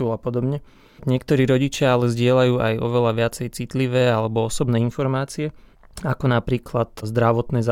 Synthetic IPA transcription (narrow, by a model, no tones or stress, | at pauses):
ulapɔd̪ɔbɲɛ | ɲɪɛkt̪ɔɾiːɾɔɟit͡ʃɪaalɛzɟɪɛlajuːʔajɔ̰ʋɛlaʋɪat͡sɛjt͡sit̪liʋɛːalɛbɔɔsɔbnɛːinfɔɾmaːt͡siɛ | akɔnapɾiːklat̪zd̪ɾaʋɔt̪nɛːza